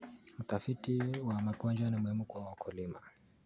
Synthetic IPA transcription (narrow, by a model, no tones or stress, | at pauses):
ut̪afitiwamaɡɔnd͡ʒanimuhimukuawakʰulima